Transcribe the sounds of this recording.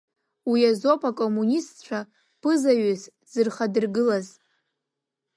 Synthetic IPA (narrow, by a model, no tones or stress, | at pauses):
wiazopʰʼakʼomunʲistt͡ʃʷʰa | pʰɨzaɥɨs | z̥ɨrχadɨrɡɨlaz